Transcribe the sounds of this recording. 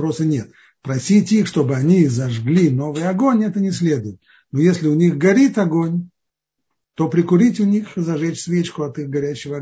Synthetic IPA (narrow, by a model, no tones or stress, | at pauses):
pɾosənʲe̞t̪ | pɾɐsʲitʲixʂt̪o̞bɨɐnʲizɐʐɡlʲino̞vɨjɐɡo̞nʲɛt̪ənʲɪsʲlʲe̞d̪ʊjɪt̪ | nojesʲlʲɪʊnʲixɡɐɾʲit̪ʲɐɡonʲ | t̪o̞pɾʲɪkʊɾʲitʲʊnʲixzɐʐɛt͡ɕsvʲet͡ɕkʊɐt̪ɨxɡɐɾʲæɕːɪvəɐ